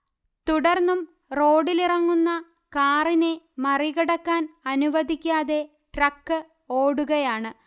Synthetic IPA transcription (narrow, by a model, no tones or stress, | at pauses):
t̪uɽɐrnːum | ro̞ːɖilirɐŋːunːɐ | kaːrine | mɐriɣɐɽɐkːaːnɐnuʋɐd̪ʱikʲːaːðe̞ | ʈrɐkːɨ | o̞ːɽuɣɐjaːɳɨ